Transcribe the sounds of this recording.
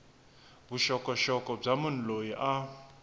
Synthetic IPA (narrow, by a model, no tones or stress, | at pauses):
buʃɔkʼɔʃɔkʼɔb͡ʐamun̩lojiʔa